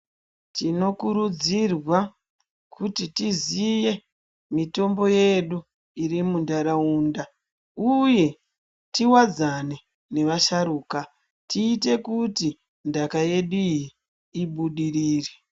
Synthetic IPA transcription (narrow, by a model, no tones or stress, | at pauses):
tino̞kuɾud͡zirwa | kutitizije̞ | mito̞mbo̞je̞ɗu | iɾimundaɾauːnda | uje̞ | tiwad͡zane̞ | ne̞ʋaʃaɾuːka | tiːte̞kuti | ndakaje̞ɗijiː | ɓuɗiriːre̥